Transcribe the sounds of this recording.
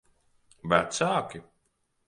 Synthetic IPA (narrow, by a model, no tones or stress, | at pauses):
væ̰t̪saːkʲi